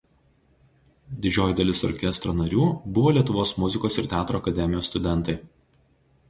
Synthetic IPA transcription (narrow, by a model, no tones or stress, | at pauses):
d̪ʲɪd͡ʒʲoːjɪd̪ɐlʲɪsɔ̰ɾʲkʲɛst̪ɾoːnɐɾʲuːbʊʋoːlʲiɛt̪ʊʋoːsmʊzʲɪkoːsɪɾt̪ʲæːt̪ɾoːɐkɐd̪ʲɛmʲɪjoːst̪ʊd̪ʲɛnt̪ɐɪ